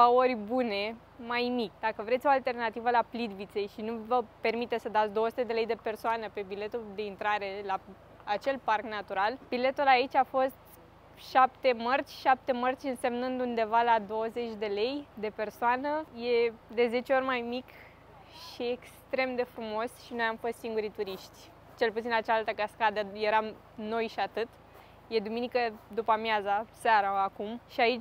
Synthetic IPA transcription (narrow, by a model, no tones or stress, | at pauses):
aorʲbune̞ | majmikʲd̪akəvɾesʲo̞alt̪e̞rnat̪ivəlaplid̪vit̪se̞jʃinuvəpe̞rmit̪e̞t̪sʲsəd̪at̪sʲd̪o̞oəsu̥t̪ed̪e̞le̞jd̪e̞pe̞rsoanəpe̞bile̞t̪uld̪e̞int̪ɾaɾe̞la | at͡ʃe̞lparknat̪uɾalbile̞t̪ulait͡ʃʲafo̞st̪ | ʃapt̪e̞mərt͡ʃʲʃap̚t̪e̞mərt͡ʃʲɨnse̞mnɨnd̪und̪e̞valad̪o̞wəze̞t͡ʃʲd̪e̞le̞jd̪e̞pe̞rsoanəje̞d̪e̞ze̞t͡ʃeo̞rʲmajmik | ʃiekst̪ɾe̞md̪e̞fɾumo̞sʃinojamfo̞st̪siŋɡuɾit̪uɾiʃt̪ʲ | t͡ʃe̞lput̪sinat͡ʃaalt̪əkaskad̪əje̞ɾam | no̞jʃiat̪ɨt̪ | je̞d̪uminikəd̪upəmjazasaɾaːkumʃiait͡ʃʲ